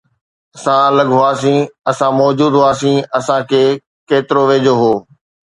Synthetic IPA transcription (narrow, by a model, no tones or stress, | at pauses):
ɐsãlɐɠɦʊaːsĩɐsãmɔːd͡ʑuːd̪ɦʊaːsĩɐsãkʰeː | keːt̪ɪɾoʋeːd͡ʑoɦoː